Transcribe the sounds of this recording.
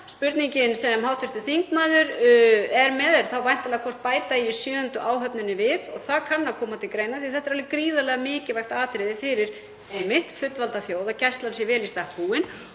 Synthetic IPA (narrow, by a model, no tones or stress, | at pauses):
spʏɾt̪niɲcɪnsɛmɦawt̪ʰʏɾ̥ht̪ʏθiŋkmaːðʏɾɛɾmɛːðɛɾθawvajn̥t̪alɛɣakʰɔr̥st̪̚paːjt̪aiisjœːʏnt̪ʏʔaːwɦœpnʏnːʏvɪðɔɣθaðkʰanːakʰɔːmat̪ʰɪlkɾejnaθiθɛt̪ɛɾalvɪkɾiːðalɛɣamɪːcɪvajxt̪aːt̪ɾɪðɪfɪɾɪɾ̥ | ejmɪht̪fʏt̪ːvalt̪aθjoːwðacɛst̪lansjɛvɛːlist̪ahpuːwɪn